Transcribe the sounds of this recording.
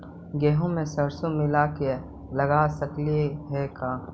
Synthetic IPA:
ɡeːɦõmẽsɐɾsõmɪlaːke | lɐɡaːsəkliɦɛkaː

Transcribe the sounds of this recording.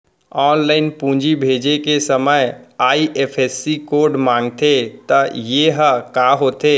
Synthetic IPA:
ɔːnlaːɪnpũːd͡ʒibʱeːd͡ʒekesəməjaːiʔeːpʰeːsːikoːɾɖmãːŋɡt̪ʰet̪əjeɦəkaːɦoːt̪eː

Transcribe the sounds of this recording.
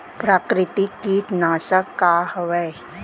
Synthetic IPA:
pɾaːkɾɪt̪ikiːʈnaːsəkːaːhəʋɛj

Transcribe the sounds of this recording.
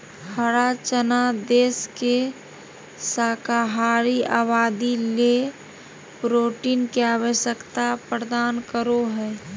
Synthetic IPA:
həɾat͡ʃənad̪eːske | saːkaɦaːɾiaːbaːd̪ile | pɾoːʈinkeaːwəʃjəkt̪apɾəd̪aːnkəɾoɦɛː

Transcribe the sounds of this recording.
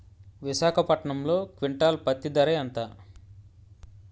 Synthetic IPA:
ʋiʃaːkʰɐpɐʈɳɐmlo̞ːkʋiɳʈaːlpɐt̪ːid̪ɐɾɐjɐnt̪aː

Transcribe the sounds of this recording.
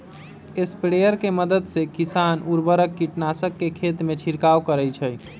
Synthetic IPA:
espɾejəɾkeməd̪əd̪sekisanuɾbəɾəkːiʈnasəkːekʰet̪met͡ʃʰiɾkawkəɾəjt͡ʃʰəj

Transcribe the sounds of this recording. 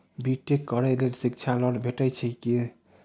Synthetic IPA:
bʱiʈːekːɔɾɛlelsikt͡ʃʰalɔɽbʱeʈɛjt͡ʃʰɛki

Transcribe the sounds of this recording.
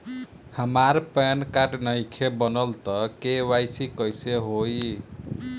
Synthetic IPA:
həmaɾpenkaʈnəjkʰebənəlt̪ʌkewajsikəjseɦoj

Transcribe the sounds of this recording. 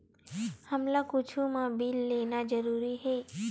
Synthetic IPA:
həmlakʊt͡ʃʰumãbiːlːeːnad͡ʒəɾuːɾiɦɛː

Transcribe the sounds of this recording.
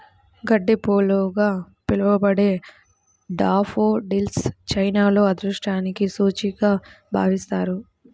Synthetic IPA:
ɡɐɖːepoːluɡaː | pilɐʋɐbɐɽeː | ɖaːfʰoːɖilst͡ʃɐjnaːlo̞ːɐd̪ɾuʂʈaːnikisuːt͡ʃiɡaː | bʱa̰ːʋist̪aːɾu

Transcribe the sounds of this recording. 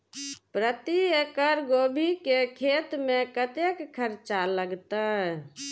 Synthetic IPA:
pɾət̪iekəɾɡobʱikekʰet̪mẽkət̪ekkʰːəɾt͡ʃaləɡt̪aɛ

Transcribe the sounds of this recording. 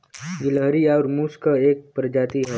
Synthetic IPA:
ɡɪləɦɾiaʊɾmuːskaeːk̚pɾəd͡ʒaːt̪iɦɛ

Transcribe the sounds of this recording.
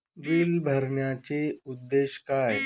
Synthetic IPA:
ɡilbʱɐɾɳjat͡ɕeʊd̪ːeːʃkaɦe

